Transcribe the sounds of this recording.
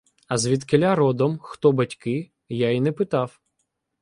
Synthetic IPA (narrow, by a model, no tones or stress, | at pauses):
ɐzʋʲid̪kelʲaɾɔd̪ɔmxt̪ɔbɐtʲkɪ | jainɛpɪt̪ɑw